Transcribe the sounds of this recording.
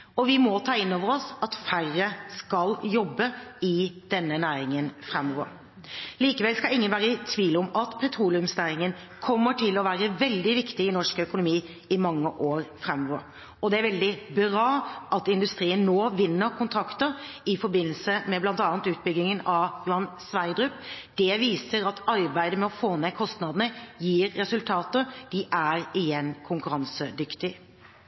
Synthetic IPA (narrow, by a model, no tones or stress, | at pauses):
ɔʋɪmɔt̪ʰɑːɪnːoːʋəɾɔsɑt̪færːəskɑljɔbːəɪd̪̥ɛnːənæːɾɪŋənfɾɛmːɔʋəɾ | liːkəʋɛlskɑlɪŋːənʋæːɾət̪ʰʋiːlʊmɑt̪pʰɛt̪ʰɾuːlɪʉmsnæːɾɪŋən | kʰɔmːəʈʰɪlɔʋæːɾəʋɛld̪ɪʋɪkt̪ɪɪnɔʂkœkʊnʊmiː | ɪmɑŋːəʔoːɾfɾɛmːɔʋəɾ | ɔd̪ɛæɾʋɛld̪ɪbɾɑːʔɑt̪ɪnd̪ʉst̪ɾiːənːoːʋɪnːəɾkʰʊnt̪ʰɾɑkt̪əɾɪfɔɾbɪnːəlsəmɛblɑnt̪ɑːnət̪ʉːt̪̚bʏɡlɪŋənɑʋblɑn | sʋæɪd̪ɾʉpd̪̥ɛʋiːsəɾɑt̪ɑɾbæɪd̪əmɛɔfoːneːkʰɔst̪nɑd̪nəjiːɾːɛsʉlt̪ʰɑːt̪əd̪̥ɪʔæɾɪjɛnkʰʊŋkʉɾɑnsəd̪ʏkt̪ɪ